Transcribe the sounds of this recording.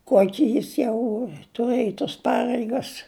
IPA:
ˈkuɔkʲɪ ˈjɪs jɛʊ tʊˈrɘj toːs ˈpɑːrʲɛɪɡɐs

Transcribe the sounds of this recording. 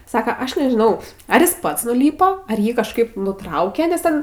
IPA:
ˈsɑːkɐ ˈɐʃ nʲɛʒʲɪˈnɐʊ ˈɐr jɪs ˈpɐts nʊˈlʲiːpoː ɐr ˈjiː kɐʃˈkɐɪp nʊˈtrɐʊkʲɛ nʲɛs ˈtʲɛn

